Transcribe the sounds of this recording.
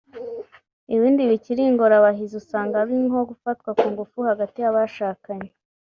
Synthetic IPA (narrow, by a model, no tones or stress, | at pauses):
iβiːndiβiciɾiŋɡoɾaβaɦizusaːŋɡaβiŋho̞ɡufatkwakuːŋɡufuhaɡatijaβaʃaːkaɲe